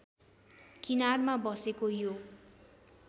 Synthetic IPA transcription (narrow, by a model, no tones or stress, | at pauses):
kinarmabʌsekojo